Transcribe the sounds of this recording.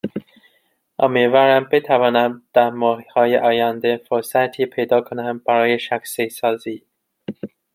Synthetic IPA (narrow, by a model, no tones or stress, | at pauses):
ʔɒmivæɾæmbet̪ʰævɒːnæmd̪̥æɾmɒːhhɒːjeʔɒːjænd̪efoɾsæt̪ʰiːpʰejd̪ɒːkʰonæmb̥æɾɒːjeʃæksesɒːziː